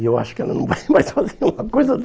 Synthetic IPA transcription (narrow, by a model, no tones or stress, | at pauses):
ewa̰ʃʊ̥kɐ̃ndɐnɐ̃w̃pɔd̪emajsfazeɾumɐkojzɐ